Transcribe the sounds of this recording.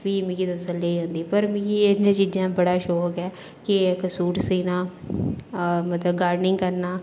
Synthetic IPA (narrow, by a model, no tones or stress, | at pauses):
piːmɪ̃ɡiːd̪əsəleiːɦõːnd̪iːpəɾmɪ̃ɡiːenãːt͡ʃiːd͡ʒãːbəɽaːʃɔːkɛː | kɪkəsuːʈsiːnaː | mət̪ləbɡaːɖnɪ̃ŋɡkəɾnaː